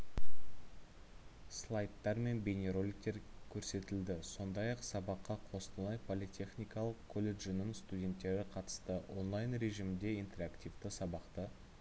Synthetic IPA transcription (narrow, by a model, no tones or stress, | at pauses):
slˠɑjt̪ːɑɾme̞nbʲenʲe̞ɾo̞lʲɪk̚t̪eɾkʲʰɵɾse̞t̪ɪld̪ɪso̞nd̪ɑjɑqsɑbɑqːɑqʰo̞st̪əlˠɑjpʰolˠit̪ʲʰe̞χnʲijkɑlˠəqkʰːolʲe̞ʒnəŋst̪udʲe̞nt̪ːe̞ɾɪqʰɑt̪ə̥st̪əo̞nlˠɑjnɾe̞ʒimɪnd̪e̞ijnt̪e̞ɾakt̪ʲijvt̪əsɑbɑqt̪ə